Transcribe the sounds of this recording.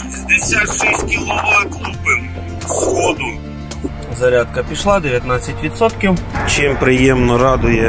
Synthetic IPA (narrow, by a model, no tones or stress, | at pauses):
ʃizʲd̪esʲat̪ʃɛsʲt̚ʲkʲilˠɔʋɑt̪lˠupɪm | sxɔd̪ʊ | zɐɾʲat̪̚kɐpʲiʃlˠad̪eʋʲjɐt̪nat͡sʲːɐtʲʋʲit̪sɔt̪kʲiwt͡ʃɪmpɾɪjɛmnɔɾɑd̪ʊjɛ